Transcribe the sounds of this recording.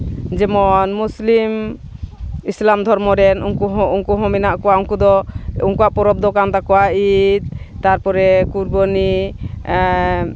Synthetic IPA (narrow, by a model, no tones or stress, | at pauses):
d͡ʒɛmɔnmuslim | islamd̪ʱɔɾmɔɾɛnuŋkuɦɔuŋkuɦɔ̃mɛnaʔkɔwauŋkud̪ɔuŋkuaʔpɔɾɔb̚d̪ɔkant̪akɔwait̪̚t̪aɾpɔɾɛkuɾbɔni